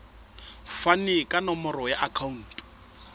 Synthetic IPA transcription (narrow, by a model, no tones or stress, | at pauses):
fanɪkʼanɔmɔrɔjaʔakʰaun̩ːtʼ